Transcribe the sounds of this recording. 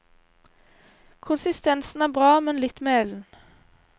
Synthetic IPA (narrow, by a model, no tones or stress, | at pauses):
kʰʊnsɪst̪ɛnsn̩æːbʁɑːmɛnlɪt̪meːɛln̩